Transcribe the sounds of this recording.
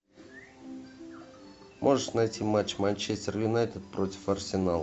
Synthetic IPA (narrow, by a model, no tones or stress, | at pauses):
mʔoʐəʂnajtʲimat͡ɕːmanʲt͡ɕesʲtʲɪrjʊnajt̪ʲɪt̪̚pɾotʲɪ̥fɐrsʲɪnalˠ